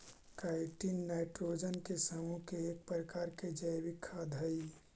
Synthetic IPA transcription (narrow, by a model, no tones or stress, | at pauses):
kaɪʈinːaɪʈɾod͡ʒənkesəmukeːk̚pɾəkaːɾked͡ʒəjbikʰːad̪ʱəi